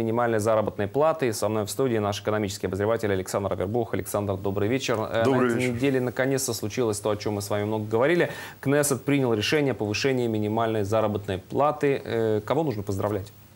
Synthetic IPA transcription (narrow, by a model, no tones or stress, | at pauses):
mʲɪnʲɪmalʲnəjzaɾəbət̪nəjplˠat̪ɨisɐvno̞jfst̪udʲɪːnaʂɪ̥kənɐmʲit͡ɕɪ̥skɪjɐbəzʲɾʲɪvatʲɪlʲɐlʲɪksand̪ɾəvʲɪ̰rbuxɐlʲɪksand̪rd̪o̞bɾɨjvʲet͡ɕɪrɛɛənʲɪdʲelʲɪnəkɐnʲet̪st̪əslˠʊt͡ɕilˠəsʲt̪o̞ɐt͡ɕo̞mːɨsvamʲɪmno̞ɡəɡəvɐɾʲilʲɪ | knɛsət̪̚pɾʲinʲɪlˠɾʲɪʂɛnʲɪjəpəvɨʂɛnʲɪːmʲɪnʲɪmalʲnəjzaɾəbət̪nəjplˠat̪ɨkɐvonuʐnəpəzd̪ɾɐvlʲætʲ